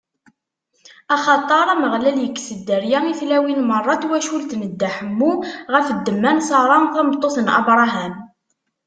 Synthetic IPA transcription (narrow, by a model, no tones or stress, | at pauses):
ɑχɑt̪ˤɑɾˤæməʁlæljəkːsəd̪ːəɾjæŋiθlæwinmərˤːɑt̪wæʃult̪nəd̪ːaħəmːuʁəfəd̪ːəmːænsɑɾˤɑnθɑmət̪ˤːoθənʔɑ̰bɾˤɑɦæm